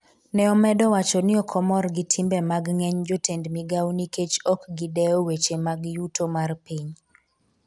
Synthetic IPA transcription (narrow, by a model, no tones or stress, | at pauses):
nɛɔmɛdɔwat͡ʃɔnɪɔkʰɔmɔrɡɪtʰimbɛmaɡŋɛɲd͡ʒotendmiɡawniket͡ʃɔkɡɪdɛɔwet͡ʃemaɡjutomarpiɲ